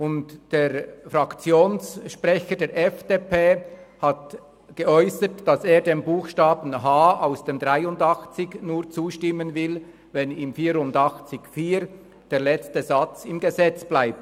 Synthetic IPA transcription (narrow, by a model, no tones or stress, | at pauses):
ʊntd̥eːɾfrɾɑkt͡sjoːnsʃprɛçədeːɾʔɛfd̥eːpʰeːhɑt | ɡ̥əɔʏsətd̥ɑseːɐdeːmbuːxʃtɑːbn̩ɦaːaʊsd̥eːmdʁaɪʊndɑxt͡sɪɡnuːʁt͡suːʃtɪmːənvɪl | vɛnɪmfiːɾʊndɑxt͡sɪɡfiːɾ | d̥eːʁlɛt͡stəzɑt͡sɪmɡəzɛt͡sb̥laɪp̚t